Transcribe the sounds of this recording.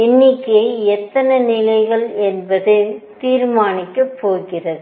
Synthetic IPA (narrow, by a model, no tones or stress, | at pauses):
ɪnːɪkːɐɪɛt̪ːɐnɐnɪlɐɪɣɐɭɛnbɐðɯt̪iːɾmaːnɪkːɐpːoːɣɪrɐðɯ